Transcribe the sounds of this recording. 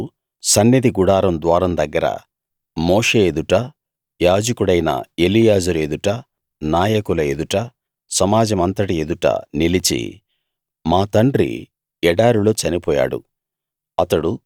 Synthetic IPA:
sɐnːid̪iɡuɽaːɾɐmd̪ʋaːɾɐmd̪ɐɡːɐɾɐ̰ | moːʂe̞ːed̪uʈɐ | jaːd͡ʒɐkuɽɐjnɐ̰e̞lijaːd͡ʒuɾe̞d̪uʈɐ | naːjɐkulɐed̪uʈɐ | sɐmaːd͡ʒɐmɐnt̪ɐʈie̞d̪uʈɐ̰nilit͡ʃḭ | maːt̪ɐɳɖɾḭ | ɛɽaːɾulo̞ːt͡ʃɐnipɔːja̰ːɽṵ | ɐt̪ɐɽu

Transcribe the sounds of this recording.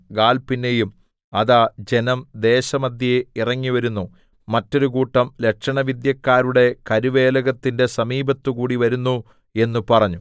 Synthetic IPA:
ɡaːlpinːe̞jum | ɐðaːd͡ʑe̞nɐmd̪e̞ːɕɐmɐd̪ʱjɐeirɐŋːiʋɐɾunːu | mɐtːo̞ɾukuːʈːɐmle̞kʂɐɳɐʋid̪jɐkːaːɾuɽe̞kɐɾuʋeːlɐɣɐt̪ːinde̞sɐmiːbɐt̪ːukuːɽiʋɐɾunːu | e̞nːupɐrɐɲːu

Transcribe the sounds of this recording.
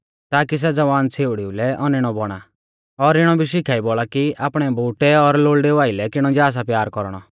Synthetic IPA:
t̪aːkis̬ɛd͡zɐʋaːnt͡sʰeːʊɽiulɛʔɔnɪɽ̃ɔbɔɽ̃a̰ | ɔɾɪɽ̃ɔbʱiʃ̬ikʰaːibɔɭakiaːpɽ̃ɛbuːʈɛɔɾloːɭɖɛʋaːɪlɛkɪɽ̃ɔd͡ʒaːs̬apjaːɾkɔɾɽ̃ɔ̰

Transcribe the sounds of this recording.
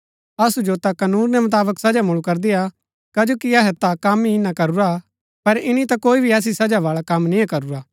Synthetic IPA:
ɐsud͡ʒot̪akɐnuːɾnɛmʊt̪aːbəksɐd͡ʒamʊɭukɐɾd̪ɪja | kɐd͡ʒoːkiɐɦɛt̪akɐmːiɪnãkɐɾuɾa | pɐɾɪnit̪akoːibʱiɐs̬isɐd͡ʒaʋaːɭakɐmnĩjãkɐɾuɾaː

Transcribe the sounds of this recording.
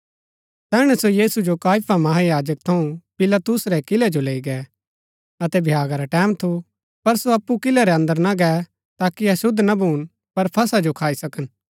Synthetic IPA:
t̪ɛːɽ̃ɛsojiːsud͡ʒokaːjpʰamɐɦajaːd͡ʒək̚t̪ʰɐũpɪlat̪ʊsɾɛkɪlɛd͡ʒoleːiɡɛ | ɐt̪ɛbʱjaːɡaɾaʈɛːmt̪ʰu | pɐɾsoɐpːukɪlɛɾɛɐ̃nd̪əɾnaɡɛ | t̪aːkiɐsʊd̪ʱːnɐbʱuːn | pɐɾpʰɐsad͡ʒokʰaːisɐkən

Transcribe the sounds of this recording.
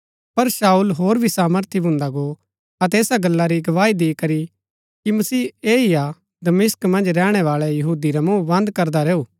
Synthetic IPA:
pɐɾsaːulɦoːɾbʱisaːməɾt̪ʰibʱʊ̃nd̪aɡo | ɐt̪̬ɛeːsaɡɐlːaɾiɡɐʋaːid̪eːkɐɾi | kimɐsiːeːia | d̪ɐmɪskmɐ̃nd͡ʒɾɛːɽ̃ɛʋaːɭɛjɐɦuːd̪iɾɛmũːʋɐ̃nd̪kɐɾd̪aɾɛːuː

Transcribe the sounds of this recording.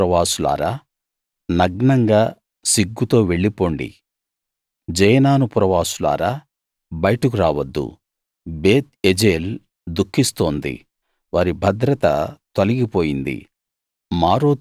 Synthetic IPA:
ɾɐʋaːsula̰ːɾaː | nɐɡɳɐŋɡaː | siɡːut̪o̞ːʋe̞ɭːipo̞ːɳɖḭ | d͡ʒɐjɐnaːnupɾɐʋaːsula̰ːɾaː | bɐjɐʈɐk̬uɾaːʋɐd̪ːṵ | beːt̪̚ed͡ʒeːl | d̪ukʰːist̪o̞ːnd̪ḭ | ʋaːɾibʱɐd̪ɾɐt̪ɐ̰t̪ɐliɡipoːjind̪ḭ | maːɾoːt̪

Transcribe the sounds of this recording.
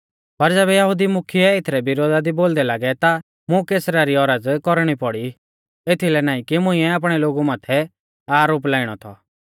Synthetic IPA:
pɐɾd͡zɛːbɛjɐɦʊd̪imʊkʰiɛɪt̪ʰɾɛbɪɾoːd̪ad̪iboːld̪ɛlaːɡɛt̪a | mũkeːsɾaɾiɔɾəd͡zkɔɾɽ̃ipɔɽi | et̪ʰilɛnaːĩkimʊ̃ĩɛaːp̬ɽ̃ɛloːɡumaːt̪ʰɛ | aːɾoːplaːɪɽ̃ɔt̪ʰɔ̰

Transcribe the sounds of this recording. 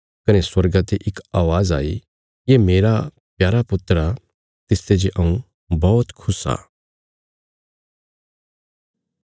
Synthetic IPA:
kɐneswɐɾɡãt̪eʔɪkaːʋaːza̰ːi | jemeːɾa | pjaːɾapʊt̪ɾa | t̪ɪst̪ed͡ʒiʔɐ̃ũ | bɔːt̪kʰʊsa̰ː

